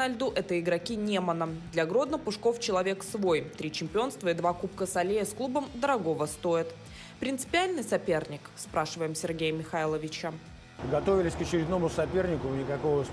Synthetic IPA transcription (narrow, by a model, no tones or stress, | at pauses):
nɐlʲd̪uʔɛt̪əɪɡɾɐkʲinʲemənəd̪lʲɐɡɾo̞d̪nəpʊʂko̞ft͡ɕɪlˠɐvʲe̞ksvo̞jt̪ɾʲit͡ɕɪmʲpʲɪo̞nst̪vəɪd̪vakupkəsɐlʲejəsklˠubəmd̪əɾɐɡo̞vəst̪o̞ɪt̪ | pɾʲɪnt̪sɨ̥pʲɪalʲnɨjsɐpʲe̞rnʲɪkspɾaʂɨvəjɪmsʲɪrɡʲejəmʲɪxailˠəvʲɪt͡ɕə | ɡɐt̪ovʲɪlʲɪsʲkət͡ɕɪɾʲɪd̪no̞mʊsɐpʲernʲɪkʊnʲɪkɐko̞və